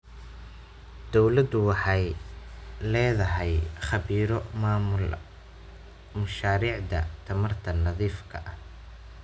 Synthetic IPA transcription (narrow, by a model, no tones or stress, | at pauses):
d̪̥ɔwlɐd̪ʊwɑħɑj | lɛːðɐɦɛjχɑβiːɾɔmaːmʊl | mʊʃaːɾiːʕd̪ɐ̰t̪ʰɐmɐrt̪ʰɐnɐðiːfkʰɐ̰ʔɐh